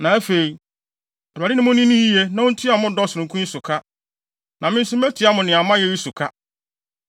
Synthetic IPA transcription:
nã˨æ˦fe˨i˨ | ɔ˨a˨ɾɪ˦nɪ̃˦mʊ̃˦nĩ˦nĩ˦ji˦je˦nã˨˦ʊ̃˦n̩˦tʰi˦a˨mʊ̃˦dɔ˦˨sʊ˨ɾʊ̃˨kʰũ˦i˦sʊ˨kʰa˦ | nã˨mɪ̃˦n˦sʊ˦mɛ˦tʰɪ˨˦a˦mʊ̃˨nɪ̃˨a˨mã˦jɛ˦ɾi˦sʊ˨kʰa˦

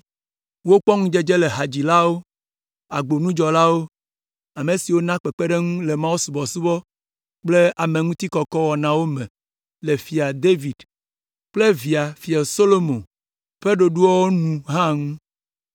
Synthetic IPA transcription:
wo˦k͡pɔ˦ŋũ˦d͡ʒe˦d͡ʒe˦le˨ɦa˨d͡ʑi˨la˦wo˦ | a˨ɡ͡bo˨nũ˦d͡ʒɔ˨la˦wo˦ | a˨me˨si˨wo˦nã˦k͡pe˨k͡pe˦ɖe˦ŋũ˦le˨mã˦wo˦su˨bɔ˨su˦bɔ˦ | k͡ple˦a˨me˨ŋũ˦t̪i˦kɔ˨kɔ˦wɔ˨nã˨wo˦mɛ̃˨ | le˨fi˨a˨d̪e˦vi˨d̪ | k͡ple˦vi˨a˨fi˨a˨so˦lo˦mõ˨ | ɸe˦ɖo˨ɖu˦ɔ˦wo˦nũ˨ɦã˦ŋũ˦

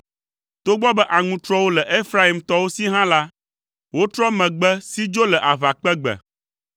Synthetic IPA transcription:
t̪o˦ɡ͡bɔ˦bɛ˦ʔa˨ŋũ˨˦t̪ɾɔ˦wo˦lɛ˨ʔe˦fɾa˦i˨mt̪ɔ˦wo˦si˦ɦã˦la˦ | wo˦t̪ɾɔ˦mɛ̃˨ɡ͡bɛ˦si˦d͡ʒo˦lɛ˨ʔa˨va˨k͡pɛ˦ɡ͡bɛ̰˨

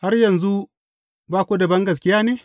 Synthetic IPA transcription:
ha˦rjɐ˨nzu˦ | baː˦kʷu˦da˨bɐ˦ŋɡɐ˨s̬kʲɪ˦jaː˦neː˦

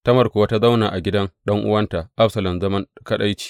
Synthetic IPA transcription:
tɐ˦mɐ˨rkʷʊ˨wa˦ta˦za˦wnaː˨ʔa˨ɡʲɪ˦dɐ˦ŋɗɐ˦ŋʔʊ̰˦wɐ˦nta˨ʔa˦ɸsɐ˨lɐ˨mzɐ˦mɐ˦ŋkɐ˦ɗa˦jt͡ʃi̥ː˦˨

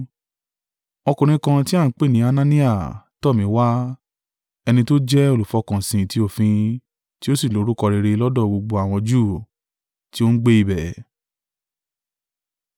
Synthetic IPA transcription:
ɔ˧kũ˨ɾ̃ĩ˧˦kã˧ti˦a˦˨˦k͡pe˦˨nĩ˨˦a˧nã˦nĩ˦a˦˨tɔ˦˨mĩ˨˦wa˦ | ɛ˧nĩ˧to˦d͡ʒɛ˦o˦˨lu˨fɔ˧˦kã˨sĩ˧ti˦o˦˨fĩ˧ | ti˦o˦si˦˨lo˨˦ɾu˦kɔ˧ɾe˧ɾe˧lɔ˦dɔ˦˨ɡ͡bo˧ɡ͡bo˧a˨w̃ɔ̃˧d͡ʒuː˦˨ | ti˦o˦n̩˦ɡ͡be˦i˧bɛ˨

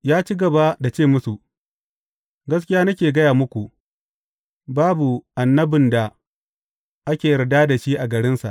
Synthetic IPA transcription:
jaː˦t͡ʃi˦ɡɐ˨ba˦da˨t͡ʃeː˦˨mʊ˦su˨ | ɡɐ˦s̬kʲɪ˦jaː˦nɐ˦kʲeː˨ɡɐ˦jaː˨mʊ˦kʷu˨ | baː˦bu˨ʔa˨nːɐ˦bɪ˨nda˨ | ʔa˦kʲeː˨jdaː˦da˨ʃi˦ʔa˨ɡɐ˨ɽɪ˦nsa̰˨ʔ

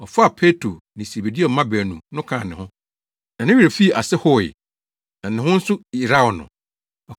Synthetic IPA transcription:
ɔ˨fa˦a˨pʰe˦tʰɾo˨nɪ̃˨se˨be˨di˦ɔ˨˦mã˦bæː˨nũ˨nʊ̃˦kʰã˨nɪ̃˨hʊ̃˦ | nã˨nɪ̃˦ɥi˨ɾa˨fi˦˨ʔa˨sɛ˦hɔ˦˨ɪ̰˨ | nã˨nɪ̃˨hʊ̃˦n̩˦sʊ˦i˨ɾa˦ɔ˨nʊ̰̃˨ | ɔ˨

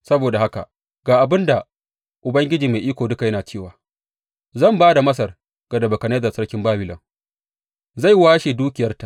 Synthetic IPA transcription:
sɐ˦boː˨da˨ha˦ka̰˨ | ɡ̥aː˨ʔa˨bɪ˦nda˨ | ʔʊ˨bɐ˦ŋɡʲɪ˦d͡ʒiː˨me˨ʔiː˦kʷoː˨dʊ˦ka˨jɐ˦naː˨t͡ʃeː˦˨waː˨ | zɐ˦˨mbaː˦da˨mɐ˦s̬ɐ˨r | ɡ̥ɐ˨dɐ˨bɐ˨kɐ˨neː˦zɐ˨sɐ˦ɽkʲɪ˦mbaː˦bɪ˨lɐ˨ŋ | za˦˨jwaː˦ʃeː˨duː˦kʲɪ˨jɐ˦rta˨ʔ

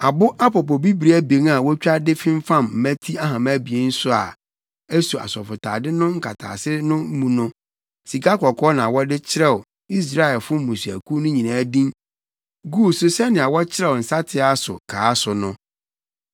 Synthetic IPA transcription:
a˨bʊ˦ʔa˦pɔ˨pɔ˨bi˦bɾi˦æ˦be˨˦ŋa˨wɔ˦t͡ɕᶣa˦dɪ˦fɪ̃˦m˦fã˦mm̩˨mæ̃˦tʰi˦a˦ɦã˨mæ˦bi˨e˦n̩˦sʊ˦a˨ | ɛ˦su˨a̰˨sɔ˨fʊ˨tʰa̰ː˨dɪ˦nʊ̃˦ŋ̩˦kʰa˨tʰa̰ː˨sɪ˦nʊ̃˦m̩˦mũ˨nʊ̃˦ | si˨kʰa˦kɔ˨kʰɔ˦nã˨wɔ˦dɪ˦t͡ɕʰɪ˦ɾɛ˦˨wɔ˨ | i˦s̬ɾa˦ɛ˨lfʊ˦m̩˦mũ˨su˨æ̰˨kʰu˦nʊ̃˦ɲĩ˨nãː˨˦dĩ˦ | ɡu˦˨sʊ˦sɛ˦nɪ̃˨a˨wɔ˦t͡ɕʰɪ˦ɾɛ˦˨ɔ˨n̩˨sa˦tʰɪ˦a˨sʊ̰˨kʰaː˨˦sʊ˨nʊ̃˦

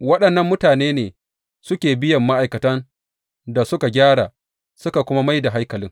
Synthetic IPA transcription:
wɐ˦ɗɐ˨nːɐ˦mːʊ˦taː˨neː˦neː˨ | sʊ˦kʲeː˨bɪ˦jɐ˨mːa˦ʔa˨jkɐ˨tɐ˦n | da˨sʊ˦ka˨ɡʲaː˦ɽaː˨ | sʊ˦ka˨kʷʊ˦ma˦ma˦jda˨ɦa˦jkɐ˨lɪ˦ŋ

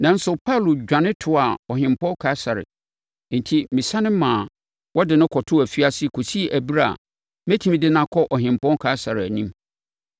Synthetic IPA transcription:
nã˨n̩˦sʊ˨pʰa˦˨lʊ˨d͡ʑᶣã˨nɪ̃˦tʰʊ˨a˨ɔ˨ɦɪ̃˨m˨pʰɔ̃˦kʰa˨˦sa˨ɾɪ̰˨˦ | n̩˨tʰi˦mɪ̃˨sã˦nɪ̃˦mãː˨ | wɔ˦dɪ˨nʊ̃˦kʰɔ˨tʰʊ˦æ˨fi˦a˦sɪ˦kʰo˨si˦˨ʔæ˨bi˦ɾa˦a̰˨ | mæ˦tʰĩ˦m˦dɪ˦nã˦kʰɔ˦ʔɔ˨ɦɪ̃˨m˨pɔ̃˦kʰa˨˦sa˨ɾɪ˨æ˨nĩ˦m

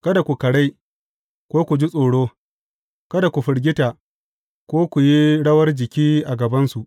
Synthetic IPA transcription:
kɐ˦da˨kʷu˨kɐ˨ɽa˦j | kʷoː˦kʷu˨d͡ʒi˦sʼoː˨ɽoː˦ | kɐ˦da˨kʷu˨ɸɪ˨ɽɡʲɪ˦ta˨ | kʷoː˦kʷu˨ji˦ɽɐ˦wɐ˦rd͡ʒɪ˨kʲiː˦ʔa˨ɡɐ˨bɐ˦nsu˨ʔ

